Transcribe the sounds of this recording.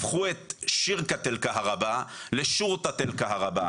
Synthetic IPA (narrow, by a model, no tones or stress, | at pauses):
fχuet̪ʃiʁkat̪elkaɦaʁabaleʃuʁt̪at̪elkaɦaʁaba